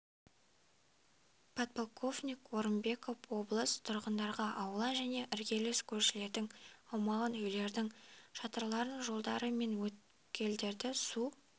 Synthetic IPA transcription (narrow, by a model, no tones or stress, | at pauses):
pʰat̪̚polˠkʰo̞fnʲikwo̞ɾəmbe̞ko̞fwo̞blˠəst̪ʰʊɾʁənd̪ɑɾʁɑʔɑwlˠɑnʒæne̞ʔɪɾɡʲe̞leskʲʰɵɾʃɪle̞ɾd̪ɪŋɑwmɑʁɑnɵjle̞ɾd̪ɪŋʃɑt̪ɑɾlˠɑɾəɴʒo̞lˠd̪ɑɾəme̞nwɵt̪̚ | kʲʰe̞ld̪e̞ɾd̪ɪsu